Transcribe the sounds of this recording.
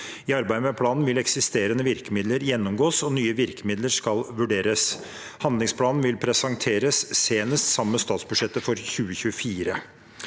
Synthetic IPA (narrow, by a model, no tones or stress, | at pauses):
iɑɾbæɪəmɛpʰlɑːnn̩ʋɪlɛksɪst̪eːɾənəʋɪɾkəmɪd̪ləɾjɛnːɔmɡoːsɔnyːəʋɪɾkəmɪd̪ləɾʂkɑlʋʉɖeːɾəs | hɑnd̪lɪŋspʰlɑːnn̩ʋɪlpʰɾɛsɑŋt̪ʰeːɾəsːeːnəst̪sɑmːəst̪ɑːt̪sbʉʂɛt̪ːəfɔɾçʉːəçʉəfiːɾə